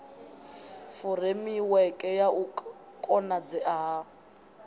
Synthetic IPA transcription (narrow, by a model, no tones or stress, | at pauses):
fʊremiwɛkʼɛjau | kʼɔnad͡zɛaɦa